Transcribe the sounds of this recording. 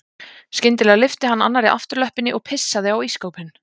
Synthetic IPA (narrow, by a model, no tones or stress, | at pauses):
scɪnt̪ɪlɛːɣalɪft̪ɪɦanːa̰nːaɾɪʔa̰ft̪ʏɾlœhpɪnːɪʔɔɣpʰɪsːaðɪawiːskoːwphɪnː